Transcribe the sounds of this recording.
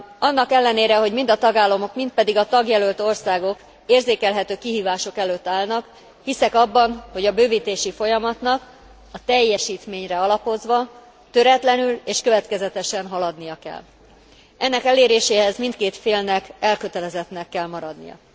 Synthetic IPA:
ɒnːɒkɛlːɛneːɾɛɦo̞ɟmind̪ɒt̪ɒɡaːlːɒmo̞kmint̪̚pɛd̪iɡɒt̪ɒɡjɛlølt̪o̞rsaːɡo̞k | eːrzeːkɛlɦɛt̪øːkiɦiːvaːʃo̞kɛløːt̪ːaːlnɒk | hisɛkɒbːɒnho̞ɟɒbøːviːt̪eːʃifo̞jɒmɒt̪nɒk | ɒt̪ɛjːɛʃiːt̪meːɲrɛɒlɒpo̞zʋɒ | t̪ø̞ɾɛt̪lɛnyleːʃkøvɛt̪kɛzɛt̪ɛʃɛnɦɒlɒd̪nijɒkɛ̰l | ɛnːɛkɛleːɾeːʃeːɦɛzmint̪keːt̪feːlnɛkɛlkø̞t̪ɛlɛzɛt̪nɛkːɛlmɒɾɒd̪nḭjɒ̰

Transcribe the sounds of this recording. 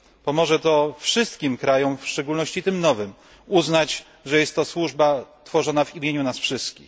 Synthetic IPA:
pɔmɔʐɛt̪ɔfʂɘst̪kʲimkɾajɔ̃mfʂt͡ʂɛɡulnɔɕt͡ɕit̪ɘmnɔvɘm | uznat͡ɕ | ʐɛjɛst̪ːɔswuʐbat̪fɔʐɔnavimʲjeɲunasfʂɘst̪kʲḭx

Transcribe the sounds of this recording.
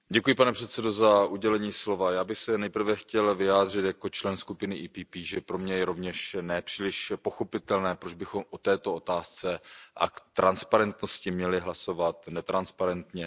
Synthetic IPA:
ɟɛkujɪpanɛpr̥ɛt̪sɛdo̞zaʔuɟɛlɛɲiːslo̞vajaːbɪxsɛnɛjpr̩vɛxcɛlvɪjaːd̪r̝ɪt̪jako̞t͡ʃlɛnskupɪnɪʔiːpiːpiːʒɛpɾomɲɛjɛɾo̞vɲɛʃnɛpr̥iːlɪʃpoxopɪt̪ɛlnɛːpɾod͡ʒbɪxo̞mʔot̪ɛːt̪o̞o̞t̪aːst͡sɛʔa̰kt̪ɾʔanspaɾɛnt̪noscɪmɲɛlɪɦlaso̞vat̪nɛt̪ɾanspaɾɛnt̪ɲɛ

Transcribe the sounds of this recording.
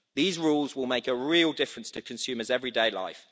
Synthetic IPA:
ðiːzɹuːlˠzwɪlˠmeɪkəɹiːlˠdɪfɹə̃nstʰəkʰə̃nsʉːməzɛvɹideɪla̰ɪf

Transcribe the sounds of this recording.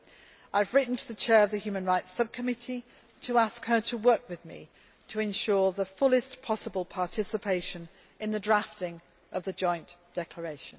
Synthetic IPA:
aɪvɹɪʔn̩tʰðət͡ʃʰɛːɹəvðəhjʉːmə̃nɹaɪtsʌb̚kʰəmɪti | tʰəaskhə˞tʰəwɜˑkwɨðmḭ | tʰəɛ̃nʃɔɹðəfʊlɪspʰɒsəbəlˠpʰɑɹtʰɪsɪpʰeɪʃə̃n | ɪ̃nðədɹaftɪ̃ŋ | ʔəvðəd͡ʒɔ̃ɪ̃nd̥ɛkʰl̥əɹeɪʃə̃n

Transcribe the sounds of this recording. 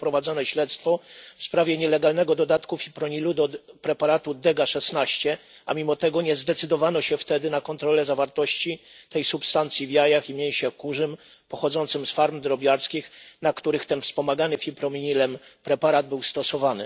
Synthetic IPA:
pɾɔvad̪zɔnɛɕlɛt̪st̪fɔfspɾavʲjɛɲɛlɛɡalnɛɡɔd̪ɔd̪at̪kufʲipɾɔɲilud̪ɔpɾɛpaɾat̪ud̪ɛɡaʂɛsnaɕt͡ɕɛ | amʲimɔt̪ɛɡɔɲɛzd̪ɛt̪sɘd̪ɔvanɔɕɛft̪ɛd̪ɘnakɔnt̪ɾɔlɛzavaɾt̪ɔɕt͡ɕit̪ɛjsupst̪ant̪sʲjivjajaximʲjej̃ɕɛkuʐɘm | pɔxɔd̪zɔnt̪sɘmsfaɾmd̪ɾɔbʲjaɾskʲixnakt̪uɾɘxt̪ɛnfspɔmaɡanɘfʲipɾɔmʲiɲilɛmpɾɛpaɾad̪̚bɘwst̪ɔsɔvanɘ̰

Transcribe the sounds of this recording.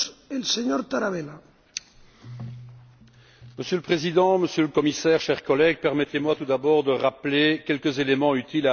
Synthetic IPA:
elseɲoɾt̪aɾaβela | məsjøləpχezid̪ɑ̃məsjøləkɔmisɛːʁʃɛʁkɔlɛɡ̚pɛʁmɛt̪emwat̪ud̪abɔʁd̪əʁaplekʲɛlkəzelemɑ̃yt̪ila

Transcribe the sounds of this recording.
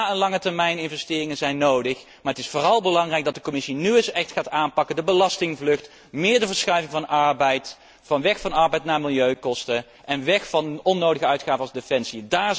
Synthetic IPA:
aːənlɑŋətəɹmɛjnɪnvɛstɪːrɪŋənzɛjnːowdəχ | maːɹətɪsfʊːrɑlˠbəlɑŋrɛjɡ̚dɑtdəkɔmɪsinyɪsɛχtχaːtaːnpɑkəndəbəlɑstɪŋvlɵxt | mɪːɹdəvəɹsχœɥvɪŋvɑnʔɑɹbɛjt | vɑnʋɛxfɑnɑɹbɛjtnaːmɪlˠjøɥkɔstə | ɛnʋɛxfɑnɔnːowdəɣəœɥtχaːvəɑlzdefɛnsiədaːɹz

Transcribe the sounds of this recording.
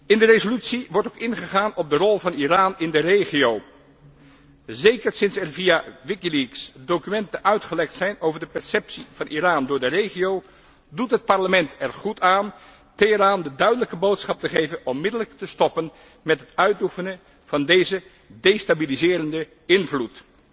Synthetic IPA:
ɪndərezolytsiʋɔɹtokɪnχəχaːnɔb̚dərɔlˠvɑniraːnɪndərejχiow | zejkəɹsɪnsɛrvijaʋɪkiliksdowkymɛntəœɥtχəlɛχtsɛjnowvəɹdəpɛɹsɛpsiv̥ɑnʔiraːndʊːɹdərejχijow | dutɦət̚pɑɹləmɛntʰɛɹχutʰaːn | tɪəɾaːndədœɥdələkəbowtsχɑp̚təχejvənɔmːɪdələk̚təstɔpən | mɛtɦətœɥtufənə | v̥ɑndejzə | dejstabilizɪːɾəndə | ɪnvlut

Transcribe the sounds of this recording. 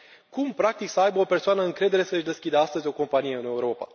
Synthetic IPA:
kumpɾak̚t̪iksəajbəo̞pe̞rsoanəɨŋkɾe̞d̪eɾe̞səɨʃd̪e̞skʲid̪east̪əzʲo̞ko̞mpanije̞ɨne̞uɾo̞pa̰

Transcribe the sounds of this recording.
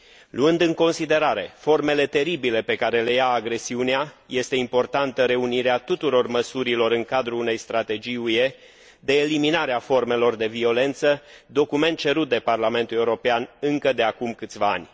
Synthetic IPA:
luɨnd̪ɨŋko̞nsid̪e̞ɾaɾe̞fo̞rme̞le̞t̪e̞ɾibile̞pe̞kaɾe̞le̞jaːɡɾe̞siuneaje̞st̪e̞impo̞rt̪ant̪əɾe̞uniɾeat̪ut̪uɾo̞rməsuɾilo̞ɾɨŋkad̪ɾuːne̞jst̪ɾat̪e̞d͡ʒijue̞ | d̪e̞ːliminaɾeafo̞rme̞lo̞rd̪e̞vio̞le̞nt̪səd̪o̞kume̞nt̪̚t͡ʃe̞ɾut̪̚d̪e̞parlame̞nt̪ule̞uɾo̞peanɨŋkəd̪e̞akumkɨt̪sʲvaa̰nʲ

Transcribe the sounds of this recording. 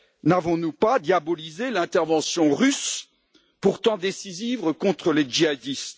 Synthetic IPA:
navɔ̃nupad̪jabɔlizelɛ̃t̪ɛʁvɑ̃sjɔ̃ʁys | puʁt̪ɑ̃d̪esizivʁəkɔ̃t̪χəled͡ʒiad̪ist̪

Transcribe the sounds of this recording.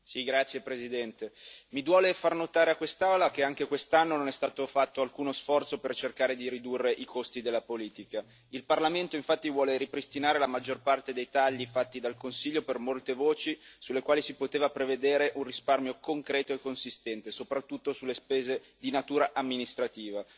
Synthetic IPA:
siɡɾat̪sjepɾezid̪ɛnt̪emid̪wɔːlefarnot̪aːɾeakwest̪aolak̟eaŋk̟ekwest̪anːononɛst̪aːt̪ofat̪ːoalkuːnosfɔrt̪sopert͡ʃerkaːɾed̪iɾid̪urːeʔikost̪id̪elːapoliːt̪ika | ilparlament̪oiɱfat̪ːivwɔːleɾipɾist̪inaːɾelamad͡ʒːorpart̪ed̪ejt̪aʎːifat̪ːid̪alkonsiʎːopermolt̪evoːt͡ʃisulːekwaːlisipot̪eːvapɾeved̪eːɾeʔunrisparmjokoŋkɾɛːt̪oekːonsist̪ɛnt̪esopɾat̪ːut̪ːosulːespeːzed̪inat̪uːɾaʔamːinist̪ɾat̪iːva

